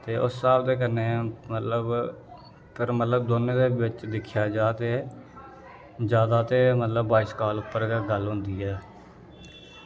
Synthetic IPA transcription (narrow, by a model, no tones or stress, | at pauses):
t̪eːʔʊsːaːbd̪eːk̬ənːeːmət̪ləb | pʰəɾmət̪ləbd̪oːnẽːd̪eːʋɪt͡ʃd̪ɪkʰːjaːd͡ʒaːt̪eː | d͡ʒjaːd̪aːt̪eːmət̪ləbːaːiskaːlʊpːəɾɡeɡəlɦʊ̃ːnd̪iːɛː